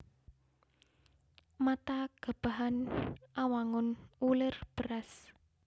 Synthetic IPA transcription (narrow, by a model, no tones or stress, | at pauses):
mat̪aɡ̥a̤b̥a̤ɦanʔawaŋʊnulɪrb̥əɾas